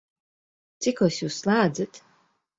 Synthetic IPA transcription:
t̪sikɔwsjuːsːlˠaːd̪zɨt̪

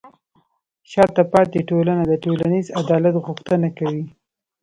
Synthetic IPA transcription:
ʃɑt̪apɑt̪eʈolanad̪əʈolanizad̪ɑlat̪ɣʊxt̪ənakawi

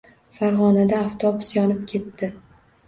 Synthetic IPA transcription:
faɾʁɒnad̪aːft̪ʰɒbʊsjɒnɪp̚kʲʰe̞t̪ːɪ

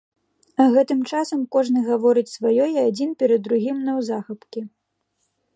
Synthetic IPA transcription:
ɐɣɛt̪ɨmt͡ʂasɐmkɔʐnɨɣavɔɾɨt͡sʲsvajɔjiad͡zʲinpʲɛɾɐd̪ːɾuɣʲimnɐwzaxɐpkʲi

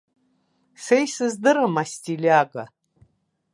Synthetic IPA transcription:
sejsɨzdɨɾamastilaɡa̰

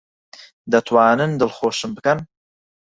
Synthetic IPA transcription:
d̪ɐt̪ʰwaːnɨnd̪ɨlχoːʃɨmbɨkɐn

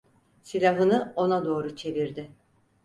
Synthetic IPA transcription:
silʲaɦɯnɯo̞nad̪o̞ːɾut͡ʃʰe̞viɾd̪ɪ

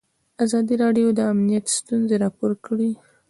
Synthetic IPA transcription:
azɑd̪iɾɑɖjod̪əamnijat̪st̪unzeɾɑpoɾkɽi

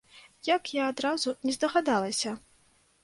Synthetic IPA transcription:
jakjaːd̪ɾazunʲɛzd̪ɐɣad̪alˠɐsʲɐ

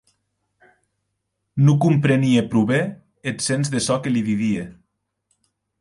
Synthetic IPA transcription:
nukumpɾeniepɾuβe | et̪senzðesɔkeliðiðie

